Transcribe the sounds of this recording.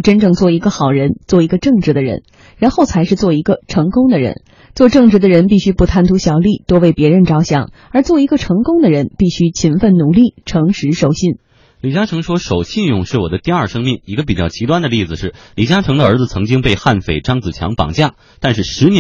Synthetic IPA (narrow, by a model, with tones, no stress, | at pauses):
ʈ͡ʂə˥nʈ͡ʂɤ˥˧ŋt͡swɔ˥˩i˧˥ɡə˧xɑ˨˩ʊɻə˧˥nt͡swɔ˥˩i˧˥ɡə˧ʈ͡ʂɤ˥˩ŋʈ͡ʂɻ̩˧˥d̪ə˧ɻə̰˧˥n | ɻa˧˥nxo˥˩ʊt͡sʰa˧˥ɪʂɻ̩˥˧t͡swɔ˥˩i˧˥ɡə˧ʈ͡ʂʰɤ˧˥ŋkʊ˥ŋd̪ə˨ɻə̰˧˥n | t͡swɔ˥˧ʈ͡ʂɤ˥˩ŋʈ͡ʂɻ̩˧˥d̪ə˧ɻə˧˥npi˥˩ɕy˥pu˥˧t̪ʰa˥˩nt̪ʰu˧˥ɕjɑ˨˩ʊli˥˩t̪o˥ʊwe˥˩ɪpjɛ˧˥ɻə˧˥nʈ͡ʂɑ˥ʊɕjɑ̰˨˩˦ŋə˞˧˥t͡swɔ˥˩i˧˥ɡə˥˧ʈ͡ʂʰɤ˧˥ŋkʊ˥ŋd̪ə˨ɻə˧˥npi˥˩ɕy˥t͡ɕʰi˧˥nfə˥˩nnu˨˩li˥˩ʈ͡ʂʰɤ˧˥ŋʂɻ̩˧˥ʂo˨˩ʊɕi˥˩n | li˨˩t͡ɕja˥ʈ͡ʂʰɤ˧˥ŋʂwɔ˥ʂo˨˩ʊɕi˥˧njʊ˥˧ŋʂɻ̩˥˩wɔ˨˩d̪ə˦t̪i˥˧ɐ˞˥˩ʂɤ˥ŋmi˥˩ŋi˧˥ɡə˧p̬i˨˩t͡ɕjɑ˥˩ʊt͡ɕʰi˧˥t̪wa˥nd̪ə˧li˥˩d͡zɹ̩˨˩ʂɻ̩˥˩li˨˩t͡ɕja˥ʈ͡ʂʰɤ˧˥ŋd̪ə˧ə˞˧˥d͡zɹ̩˧t͡sʰɤ˧˥ŋt͡ɕi˥ŋpe˥˧ɪxa˥˩nfe˨˩ɪʈ͡ʂɑ˥ŋt͡sɹ̩˨˩t͡ɕʰjɑ˧˥ŋpɑ̰˨˩ŋt͡ɕja˥˩ | t̪a˥˧nʂɻ̩˥˩ʂɻ̩˧˥nɛ˧˥